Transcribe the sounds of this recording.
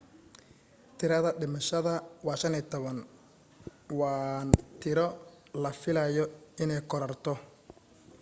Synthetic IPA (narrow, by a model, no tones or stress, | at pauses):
t̪ʰɪɾɐðɐɖɪmɐʃɐðɐwɑːʃɐniːt̪ʰɔβɐn | wɑːnt̪ʰɪɾɔ | lɐfɪlɐjɔɪnɛjkʰɔɾɐrt̪ʰɔ